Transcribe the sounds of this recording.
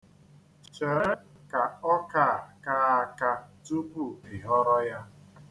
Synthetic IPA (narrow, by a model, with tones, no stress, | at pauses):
t͡ʃɛ˨˦ka˨ɔ˦ka˦˨ka˦a˦ka˦tu˦bu˦˨ɪ˨ɦɔ˦ɾɔ˦ja˦